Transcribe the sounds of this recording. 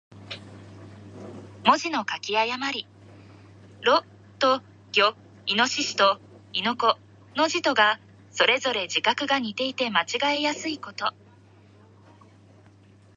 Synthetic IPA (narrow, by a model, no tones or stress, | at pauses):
mo̞ʑino̞kakʲiajamaɾʲi | ɾo̞ | t̪o̞ | ɡ̥ʲo̞ | ino̞ɕiɕi̥t̪o̞ | ino̞ko̞ | no̞ʑit̪o̞ɡa | so̞ɾe̞zo̞ɾe̞d͡ʑikakɯ̟ɡaɲ̟it̪e̞it̪e̞mat͡ɕiɡaejasɨiko̞t̪o̞